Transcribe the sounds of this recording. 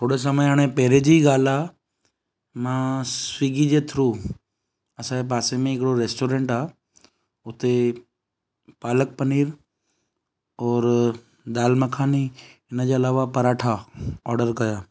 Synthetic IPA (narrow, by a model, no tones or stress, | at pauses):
t̪ʰoːɽes̬əməjaːɽ̃ẽpɛɦɪɾed͡ʑiɡaːla | mãsʋiːɡid͡ʑet̪ʰɾuː | ɐsãep̬aːsemẽɪkɪɽoɾeːsʈoːɾẽːɳʈaː | ʊt̪e | paːlək̚pɐniːɾ | ɔːɾ | d̪aːlməkʰaːniɪnəd͡ʑeɐlaːʋapɐɾaːʈʰaɔːɾɖəɾkɐjaː